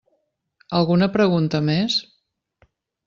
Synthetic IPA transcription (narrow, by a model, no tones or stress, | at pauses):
əlˠɣunəpɾəɣunt̪əmes